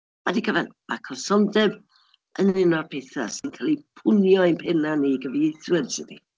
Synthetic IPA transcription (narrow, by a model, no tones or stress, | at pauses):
wadikʰəvɛnm̥akʰɔsɔndɛb | ənɪnɔrpʰeθa̰sɪnkʰalˠipʰʊnjɔjnpʰɛnaniɡəviejθwədsɪnḭ